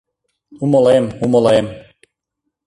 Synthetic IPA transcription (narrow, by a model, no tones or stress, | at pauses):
umolˠemumolˠem